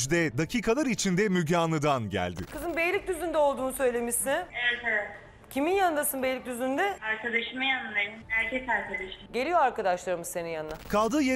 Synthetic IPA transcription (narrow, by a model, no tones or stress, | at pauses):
d͡ʒd̪ɛd̪acʰiːkʰalˠaɾit͡ʃʰind̪ɛmyɟaːnˠɯd̪anɟæ̰lʲd̪ɪ̰kʰɯzɯnbejlʲic̚d̪yzynd̪ɛo̞lˠd̪uːnusø̞jlʲe̞misinevɛt̪ʰevɛt̪ | cʰiminjand̪asɯnbejlʲic̚d̪yzynd̪ɛaɾkʰad̪aʃɯmajanɯbenimhæɾcʰɛsaɾkʰad̪aʃɯmɟe̞lʲijo̞aɾkad̪aʃlˠaɾɯmɯzsenijannakʰalˠd̪ɯːje